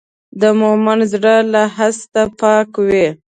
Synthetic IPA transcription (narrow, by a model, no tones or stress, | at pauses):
d̪əmomanzɽəlaɦast̪apɑkwe